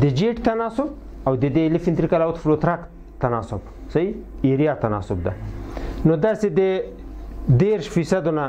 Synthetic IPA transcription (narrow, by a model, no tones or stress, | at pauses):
d̪əd͡ʒeʈt̪anɑsʊb | awd̪əd̪elɪfɪnt̪ɾikalawt̪flot̪ɾak | t̪ːanɑsʊb | sai | eɾijɑt̪anɑ̰sʊbd̪a̰nod̪ased̪ə | d̪eɾʃfisad̪ona